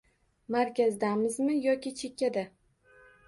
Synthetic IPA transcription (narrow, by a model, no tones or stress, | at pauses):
maɾkʲazd̪amɪzmɪjɒkʲɪt͡ʃʰe̞kʲːad̪a